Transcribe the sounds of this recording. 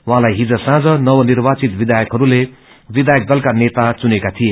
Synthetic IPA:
wɦãlajɦid͡zʌsãd͡zʌnʌwʌnirbat͡sit̪bid̪ajʌkɦʌɾule | bid̪ajʌk̚d̪ʌlkanet̪at͡sunekat̪ʰije

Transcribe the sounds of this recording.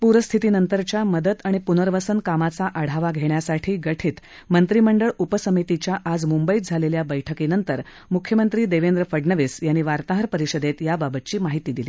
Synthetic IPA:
puɾəst̪ʰit̪iːnənt̪əɾt͡ɕjaməd̪ət̪aɽ̃ipunəɾʋəsənkamat͡saʔaɽ̤aʋaɡʱeɳjasaʈʰiːɡəʈʰiːt̪ | mənt̪ɾiməɳɖəɭupəsəmit̪it͡ɕjaʔad͡zmumbəit̪̚d͡zʱaleljabəjʈʰəkinənt̪əɾ | mukʰjəmənt̪ɾiːd̪eʋend̪ɾəfəɖnəʋisjanːiʋaɾt̪aɦəɾpəɾiɕəd̪et̪jababət̪̚t͡ɕiːmaɦit̪iːd̪iliː

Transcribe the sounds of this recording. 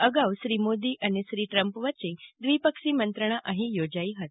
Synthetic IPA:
əɡawɕɾiːmod̪iːʔəniɕɾiːʈɾəmpʋat͡ɕĩd̪ʋipəkʂiːmənt̪ɾəɳ̃aʔəɦĩjod͡zaiːɦət̪

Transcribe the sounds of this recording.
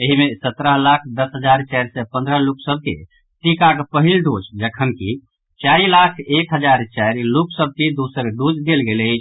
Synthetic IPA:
eɦimesət̪ɾəɦlakʰd̪əsɦəd͡ʒaɾt͡ʃaɪɾsɛpə̃nd̪ɾəɦluksəb̚kḛ | ʈ̪ikakpəɦilɖod͡ʒd͡ʒəkʰənki | t͡ʃailakʰekɦəd͡ʒaɾt͡ʃajɾluksəb̚ked̪usəɾɖud͡ʒd̪elɡelet͡ʃʰ

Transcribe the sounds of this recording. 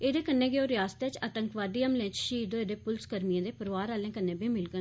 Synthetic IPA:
eːd̪eːkənːeːɡeoːɾɪjaːsə̥t̪eːt͡ʃət̪əŋkʋaːɖiːəmlẽːt͡ʃʃiːd̪oeːd̪eːpʊlskəɾmijãːd̪eːpəɾʋaːɾaːljãːkənːẽːbʱiːmɪlɡə

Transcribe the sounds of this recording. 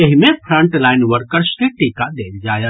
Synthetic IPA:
ɐɦimẽpʰɾə̃ɳʈlaːɪnʋəɾkəɾskeʈiːkad̪eːld͡ʒaːja

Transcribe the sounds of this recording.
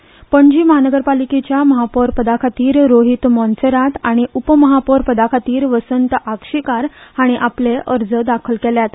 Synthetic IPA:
pəɳd͡ʑiːməɦanəɡəɾpaliket͡ɕjaməɦapoɾpəd̪akʰat̪iːɾɾːoɦit̪mɔ̃nseɾat̪aɽ̃iʔupəməɦapɔɾpəd̪akʰat̪iːɾʋəsənt̪əʔakʂikaɾhaɽ̃iʔapleʔəɾd͡zəd̪akʰəlkeljat̪

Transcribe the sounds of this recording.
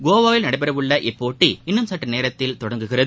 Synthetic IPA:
ɡoːʋaːjɪlnɐɽɐɪbɐɾɐʋɯɭːɐʔɪpːoːʈːiɪnːɯmsɐʈːɐneːɾɐt̪ːɪlt̪ɔɽɐŋɡɯɣɪrɐðɯ

